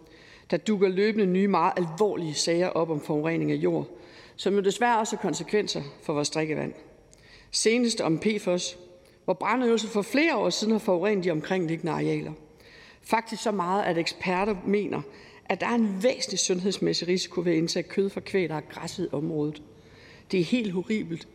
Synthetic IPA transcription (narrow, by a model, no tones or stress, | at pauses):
d̥ɑ̈d̥uɡ̥ɐløːb̥ənənyːmɑ̈ːð̩ˠʔælʋɒ̰ːliəsɛɪɐʔɒ̽b̥ɒ̽mfɒʁɛ̰ne̝ŋæjo̝̰ɐ̰sɒ̽mjo̝d̥e̝sʋæɐɒ̽shɑ̈kʰɒ̽nsəkʰʋen̰sɐfɒʋɒːsd̥ʁeɡ̥əʋæ̰n̰ | se̝ːnəsd̥əɒ̽mpʰe̝̰ːfɒs | ʋɒb̥ʁɑ̈nøls̬ɐfɒ̽fle̝ːɐɒ̰ːsiðˠn̩hɑ̈fɒʊʁɛ̰ːn̩d̥iɒ̽mkʰʁeŋ̰le̝ɡ̥ənəɑ̈ʁiɛ̰ːlɐ | fɑ̈ɡ̥̚d̥isɡ̥sɒ̽mɑ̈ːð̞̩ˠʔædeɡ̥sb̥ʰæɐɾ̥ɐme̝̰ːnʔɐ | ʔæd̥ɑ̈æɐe̝nʋḛːsn̩li̥sɔ̽nɦe̝ðˠsmesiʁisi̥kʰo̝ʋee̝nt͡sʰɛːkʰøðˠfʁɑ̈kʰʋḛːdɐæɡ̥ʁɑsəð̩ˠɒ̽mʁɔ̽ːð̞ˠð̩ˠ | d̥e̝æɐhe̝̰ːld̥ɦo̝ʁḭːb̥l̩d̥